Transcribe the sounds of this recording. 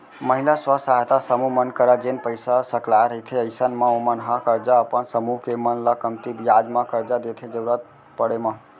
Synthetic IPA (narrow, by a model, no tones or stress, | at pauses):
məɦilaswəsaɦt̪asəmuɦmənkəɾad͡ʒenpəjsasəklajɾəɦit̪ʰeəɪsənmeomənɦãkəɾd͡ʒaəpənsəmuɦkemənləkəmt̪ibjad͡ʒmãkəɾd͡ʒad̪et̪ʰed͡ʒəɾuɾət̪̚ | pəɽemã